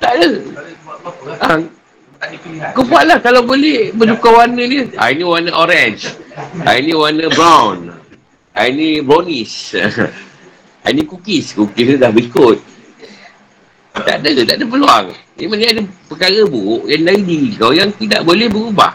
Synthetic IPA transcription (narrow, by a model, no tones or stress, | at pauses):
t̪aʔdə | a | kəpualahkalawbolɛhbəd͡ʒukawanədəa̰iniwanəʔoɾɛnd͡ʒʔa̰inĩwanəbɾawn | ʔa̰inibɾonis | a̰inikukɪskukɪsnidahbəikʊt̪̚ | t̪a̰ʔdət̪a̰ʔdəp̬əlua̰ŋ | imaniadəpəkaɣəbuʔjandaidiɡawjaŋt̪idaʔbolɛhbəɾuba̰h